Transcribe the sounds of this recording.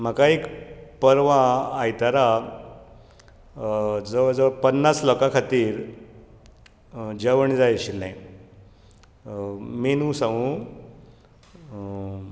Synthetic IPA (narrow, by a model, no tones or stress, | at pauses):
m̤əkaekpəɾʋãːjt̪aɾa | d͡zəʋd͡zəʋpənːaslɔkakʰat̪iːɾ | d͡ʑəʋəɳd͡zajɕilːãj | menũːsaʋũ